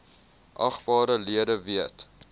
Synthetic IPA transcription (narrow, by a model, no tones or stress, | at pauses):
ʔɐχbɑːɾəliədəviət